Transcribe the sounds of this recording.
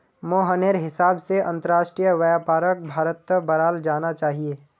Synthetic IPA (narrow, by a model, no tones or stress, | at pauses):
moːɦəneːɾɦɪsaːbseʔɐ̰̃nt̪əɾaːʃʈɾijəʋəjaːpaːɾək̚bʱaːɾət̪ːəbɐɾaːld͡ʒaːnat͡ʃaːɦieː